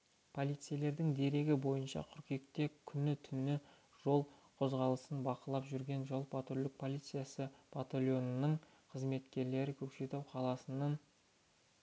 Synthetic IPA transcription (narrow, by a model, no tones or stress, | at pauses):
pʰo̞lˠijt̪sɨjale̞ɾd̪ɪŋd̪e̞ɾe̞ɡʲɪbo̞jənʃɑ̰qʲʰʏɾkʲe̞k̚t̪e̞kʲʰʏnɪt̪ʰʏnɪ | ʒ̥o̞lˠqʰo̞zʁɑlˠəsənbɑqəlˠɑpʒʏɾɡʲe̞nʒolˠpat̪əɾlˠɪk̚pʰo̞lˠijt̪sɨjasəpʰat̪olʲjo̞nːəɴ | qʰəzme̞t̪kʲe̞ɾle̞ɾɪkʲʰɵpʃe̞t̪ewqʰɑlˠɑsənɑn